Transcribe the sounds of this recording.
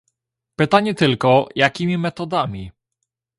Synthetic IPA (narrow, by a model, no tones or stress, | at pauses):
pɘt̪aɲɛt̪ɘlkɔjakʲimʲimɛt̪ɔd̪amʲi